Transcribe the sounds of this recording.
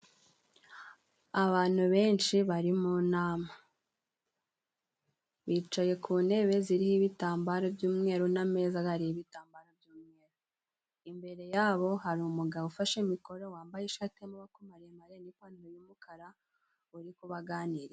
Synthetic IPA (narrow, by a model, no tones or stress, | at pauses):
aβaːn̥huβe̞ːnʃiβaɾimunaːma | βiːt͡ʃaje̞kʰuːne̞βe̞ziɾihiβitaːmbaɾobjuːmŋe̞ːɾoname̞ːzaaɾiiβitaːmbaɾobjuːmŋe̞ːɾo | imbe̞ɾe̞jaːβo̞haɾimuɡaufaʃimiko̞ɾowaːmbajeʃatemoβakomaɾemaɾenikaːniɾujumukʰaɾa | uɾikuβaɡaːniɾe